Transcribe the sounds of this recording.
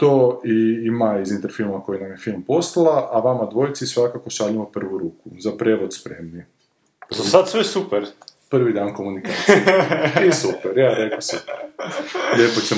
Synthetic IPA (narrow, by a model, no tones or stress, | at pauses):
t̪oːiimaizint̪eɾfilˠmako̞jinamjefilˠmpo̞st̪ˠalaʔaʋamad̪ʋo̞jt̪sisʋakako̞ʃaʎimopr̩ʋuɾuːkuzapɾeʋod̪spɾemni | azasad̪sʋesupeɾpr̩ʋid̪aːnkomunikat̪jeiesupeɾjaɾeklasu | ʎepot͡ɕe